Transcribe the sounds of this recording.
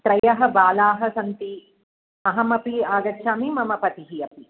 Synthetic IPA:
t̪ɾɐjɐɦɐ̆baːlaːɦɐ̆sɐnt̪i | ɐɦɐmɐpiaːɡɐtːʃʰaːmimɐmɐpɐt̪iɦijɐpi

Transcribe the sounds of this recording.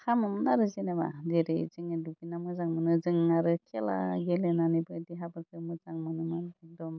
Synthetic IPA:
hamɯmnaɾɯzineba̰deɾejzɯŋedubinamɯzaŋmɯnɯzɯŋaɾɯkʰela̰ɡelenanibɯdiɦabaɾkʰɯmɯzaŋmɯnɯmandɔm

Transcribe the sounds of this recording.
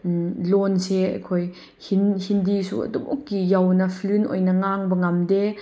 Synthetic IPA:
lɔnseɐ̰kʰɔj | hinhindisṵɐ̰dṵmʔɔ̰kːijawnɐpʰlynʔɔ̰jnɐŋaŋbəŋɐmde

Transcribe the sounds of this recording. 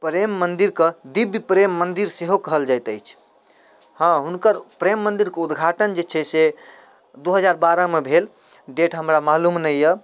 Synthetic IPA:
pɾemːənd̪iɾkəd̪ibjpɾemːənd̪iɾseɦokəɦəld͡ʒajt̪əjt͡ʃʰ | hãɦunkəɾpɾemːənd̪iɾkeud̪ɡʱaʈənd͡ʒet͡ʃʰɛse | d̪uɦəd͡ʒaɾbaɾəmebʱel | ɖeʈɦəmɾamalumnɛjjə

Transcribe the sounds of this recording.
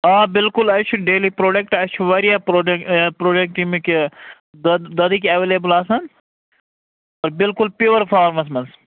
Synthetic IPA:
aːbɪlkʊlɐʃʰuɖeːlipɾoːɖek̚ʈɐʃʰuʋɐɾjaɾoɖepɾoːɖek̚ʈimike | d̪ɐd̪ikɐʋeːleːbəlaːsɐn | oːɾbɪlkʊlpuʋɐɾfʰaːɾmɐsmɐs

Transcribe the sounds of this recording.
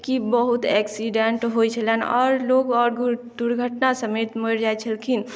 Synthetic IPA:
kibəɦut̪ɛksiɖeɳʈɦojt͡ʃʰəlɛnɔ̰ːɾloɡɔːɾɡd̪uɾɡʱəʈnasəmet̪məɾd͡ʒajt͡ʃʰəlkʰin

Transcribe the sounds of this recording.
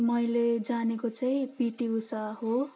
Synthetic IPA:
mʌjled͡zanekot͡sʌj̃piʈiusaɦo

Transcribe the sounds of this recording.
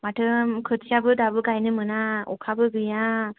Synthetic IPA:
maʈʰɯmkʰɯt͡ʃʰijabɯd̪abɯɡajnɯmɯnaɔ̰kʰabɯɡɯja

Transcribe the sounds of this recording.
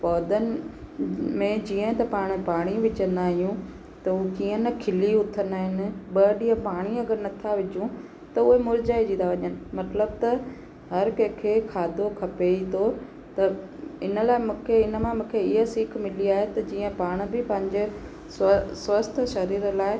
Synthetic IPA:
pɔːd̪ənɪ̆ | mẽd͡ʑiːə̃t̪ɐpaːɽ̃paːɽ̃iʋɪt͡ɕənaːɦijũ | t̪ɐukiːə̃nɐkʰɪliʊt̪ʰənaːɦɪnɪ̆ɓɐɗiːə̃paːɽ̃iɐɡəɾnɐt̪ʰaʋɪd͡ʑũ | t̪ɐʊɦemʊɾd͡ʑaːid͡ʑĩːnd̪aʋɐɲənɪ̆mɐt̪ləbt̪ɐ | ɦɐɾkɐ̃ːkʰekʰaːd̪ʱokʰɐpeit̪ʰo | t̪ɐɪnə̆laːɪmũːkʰeɪnə̆mãmũːkʰeɪɦəsiːkʰmɪliaːɦet̪ɐd͡ʑiːə̃paːɽ̃̆bɪpɐ̃ɦɪ̃ɲd͡ʑe | ssʋɐst̪ʰʃɐɾiːɾlaːɪ

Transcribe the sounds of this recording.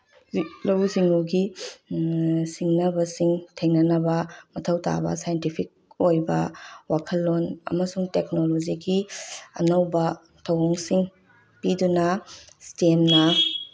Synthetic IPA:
lowziŋuɡi | siŋnɐbɐsiŋtʰeŋnɐnɐbɐmɐtʰɐwta̰bɐ̰sajentipʰik̚ | ojbɐ̰wakʰɐlːonɐ̰mɐsuŋtek̚nolod͡ʒiɡiɐ̰nɐwbɐ | tʰɐwɔŋsiŋ | pidunɐstemnɐ

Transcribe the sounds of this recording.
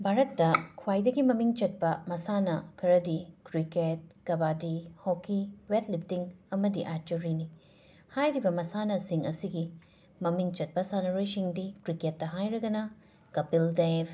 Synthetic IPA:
bʱaɾɐtːɐkʰwajdɐɡimɐmiŋt͡ʃɐt̚pɐmɐsanɐkʰɐɾɐdikɾiket̚kɐbadihokiwetlip̚tiŋɐmɐdiʔaɾt͡ʃuɾini | hajɾibɐmɐsanɐsiŋɐsiɡi | mɐmiŋt͡ʃɐt̚pɐsanɐɾojsiŋdikɾiketːɐɦajɾɐɡɐnɐ | kɐpildeb

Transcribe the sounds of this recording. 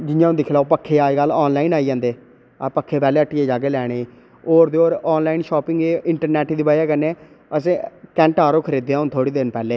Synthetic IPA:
d͡ʒɪjãːnd̪iːkʰɪlaːpəkʰːeːaːɡəlɔːnlaːiːnaːiːd͡ʒãːnd̪eː | pəkʰːeːpɛːleːəʈːieːd͡ʒaːɡeːlɛːɽ̃eːeː | oːɾd̪eːoːɾɔːnlaːinʃɔːpɪŋɡeːɪɳʈəɾnɛːʈːd̪iːbaːjaːkəneː | əsẽːkɛ̃ːɳʈaːɾoːkʰəɾiːd̪eːãːɦʊnt̪ʰoːɽiːd̪ɪnpɛːleː

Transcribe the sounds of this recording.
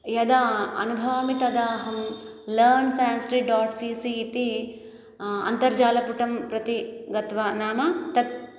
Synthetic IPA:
jɐd̪aɐ̰nubʱɐʋɐmit̪ɐd̪aːɦɐm | lɐːɾnsaːnsʈɾiɖaːʈsiːsiːt̪i | ɐ̰nt̪ɐɾd͡ʒaːlɐpuʈɐmpɾɐt̪iɡɐt̪ʋɐnaːmɐt̪ɐt̪̚

